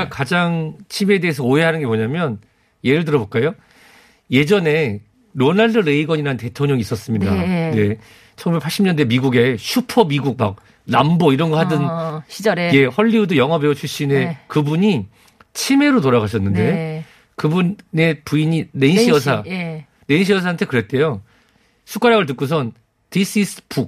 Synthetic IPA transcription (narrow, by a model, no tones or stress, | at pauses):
akad͡ʑaŋt͡ɕʰime̞de̞ɦːs̬ʰʌoɦeɦanɯnɡe̞poɲamjʌn | je̞ɾɯɭt̬ɯɾʌbok͈ajo | je̞d͡ʑʌne̞ | ɾonaɭdɯɾe̞iɡʌɲiɾante̞tʰoŋɲʌŋis͈ʌs͈ɯmɲidane̞ | t͡ɕʰʌŋɡubekpʰaɭɕ͈imɲʌnde̞miɡuɡe̞ɕʰupʰʌmiɡuk̚mak̚ | namboiɾʌnɡʌɦadɯn | e̞hʌʎːiudɯjʌŋɦʌbeot͡ɕʰuɭɕ͈inekɯbuɲi | t͡ɕʰime̞ɾotoɾaɣaɕʰʌnːɯnde̞ | kɯbunne̞puiɲineinɕʰijʌsʰa | ne̞inɕʰijʌs̬ʰaɦantʰe̞kɯɾe̞t̚t͈e̞jo | sʰuk͈aɾjaɡɯɭt̬ɯk͈us̬ʰʌn | tis͈is͈ʰɯ̥pʰuk̚